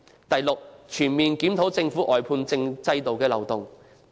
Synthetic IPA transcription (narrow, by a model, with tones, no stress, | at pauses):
t̪ɐ˨jlʊ˨k̚t͡ʃʰyː˨˩nmiː˨˩nkiː˨˥mt̪ʰo˨˥wt͡sɪ˧ŋfuː˨˥ʔɔː˨˩jpʰuː˧nt͡sɪ˧ŋt͡sɐ˥jt̪o˨wkɛː˧lɐ̰˨˩wt̪ʊ˨˩ŋ